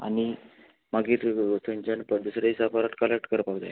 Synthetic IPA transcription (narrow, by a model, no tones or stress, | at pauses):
a̰ñi | maɡiːɾsəɲt͡ɕanpəd̪usɾaisapaɾakʈkəlek̚ʈkəɾpaɡd̪a̰j